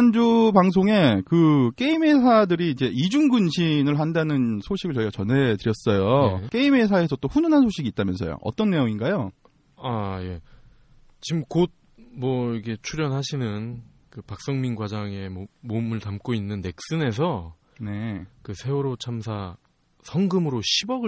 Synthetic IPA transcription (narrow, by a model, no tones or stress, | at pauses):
and͡ʑupaŋs̬ʰoŋe̞kɯk͈e̞ime̞sʰadɯɾiːd͡ʑe̞id͡ʑuŋɡɯnɕʰinɯɭɦandanɯnsʰoɕʰiɡɯɭt͡ɕʌiɡat͡ɕʌnɦe̞tɯɾjʌs͈ʌjok͈e̞ime̞sʰae̞sʰʌt͈oɸununɦansʰoɕʰiɡiːt͈̚amjʌnsʰʌjo̰ʔʌ̰t͈ʌnːe̞joŋinɡajo | aje̞ | t͡ɕimkod̚ | mwʌiɡʰe̞t͡ɕʰuɾjʌnɦaɕʰinɯn | kɯpak̚s͈ʌŋminɡwad͡ʑaŋe̞omomɯɭtamk͈oinːɯnːe̞k̚s͈ɯne̞s̬ʰʌ | ne̞kɯsʰe̞oɾot͡ɕʰamsʰa | sʰʌŋɡɯmɯɾoɕʰibʌɡɯ